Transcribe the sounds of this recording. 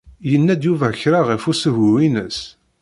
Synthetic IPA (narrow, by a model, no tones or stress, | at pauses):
jənːæd̪juvæçɾaʁəfusəɦuwinəs